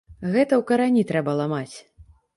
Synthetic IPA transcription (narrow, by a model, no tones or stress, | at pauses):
ɣɛt̪ɐwkɐɾanʲit̪ɾɛbɐlˠamat͡sʲ